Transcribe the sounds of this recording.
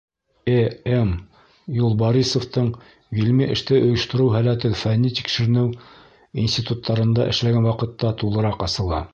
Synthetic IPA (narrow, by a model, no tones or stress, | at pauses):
eem | julˠboɾisŏft̪ɤɴ | ɡilmiʔɘ̆ʃt̪ɘʔŏjɤ̆ʃt̪ɤ̆ɾɤwɦælæt̪ɘðfænːit̪i̥kʃɘ̆ɾɘ̆nɘw | insʲt̪ʲit̪ut̪ʰːɑɾɤ̆nd̪ɑ̰ʔɘ̰̆ʃlæɡænwɑqɤ̆t̪ːɑt̪ulˠɤ̆ɾɑqɑsɤ̆lˠɑ̰